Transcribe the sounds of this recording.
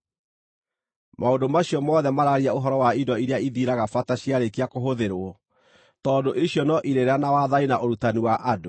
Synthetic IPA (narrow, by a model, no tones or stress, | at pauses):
maodomaɕiɔmɔːðɛmaɾaɾiaoɦɔɾɔwaidɔiɾeaiðiɾaɣafataɕiaɾekiakoɦoðeɾwɔ | tɔːdoʔiɕjɔnɔʔiɾeɾanawaðainaʔoɾutaniwaʔado